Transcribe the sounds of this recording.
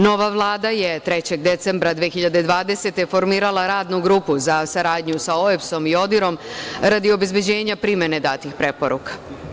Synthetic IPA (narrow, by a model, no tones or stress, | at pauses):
no̞ʋaʋlˠaːd̪aje̞t̪ɾe̞t͡ɕe̞ɡ̚d̪e̞t̪se̞mbɾad̪ʋiexiʎad̪e̞d̪ʋaːd̪e̞se̞t̪e̞fo̞ɾmiːɾalˠaɾaːd̪nuɡɾuːpuzasaɾaːd̪ɲusaoefso̞mio̞d̪iɾo̞mɾad̪io̞be̞zbe̞d͡ʑe̞ːɲapɾimje̞ne̞d̪aːt̪ixpɾe̞po̞ɾṵkḁ